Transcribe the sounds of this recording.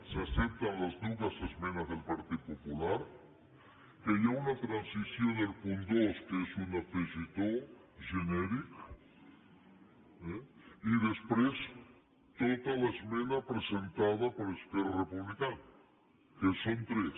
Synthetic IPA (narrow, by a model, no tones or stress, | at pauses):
seasep̚t̪alaznuβasezmẽnazðelpaɾt̪iðopopulaɾ | kajaunat̪ɾansisjond̪elpund̪oskeesunafezit̪o | ʒeneɾik | eiðespwes | t̪ot̪alaezmẽnapɾesent̪aðapoɾeskeɾarepuβlikana | kesont̪ɾes